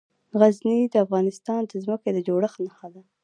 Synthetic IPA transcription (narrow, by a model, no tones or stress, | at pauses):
ɣaznid̪əafɣɑnɪst̪ɑnd̪əzməked̪əd͡ʒoɽəxnaxad̪a